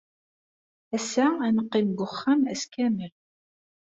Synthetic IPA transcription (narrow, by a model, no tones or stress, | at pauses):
æsæænəqːimɡʊχːamæskæməl